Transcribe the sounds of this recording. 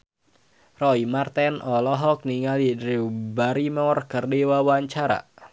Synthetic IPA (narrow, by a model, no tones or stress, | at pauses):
rɔimart̪ɛnʔɔlɔɦɔk̚niŋalidɾiwbaɾimɔrkərdiwawaɲt͡ʃaɾa̰